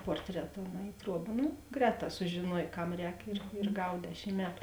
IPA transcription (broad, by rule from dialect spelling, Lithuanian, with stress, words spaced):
ˈpoːrʲtʲrʲɛtɐ oː nɐ ɪ ˈtruɔbɐ ˈnʊ ˈɡrʲɛːˌtɑː sʊʒʲeːˈnuɔj ˈkɐm ˈrʲɛːk ɪr ɪr ˈɡɐw ˈdʲæːʃʲɪm ˈmʲæːtʊ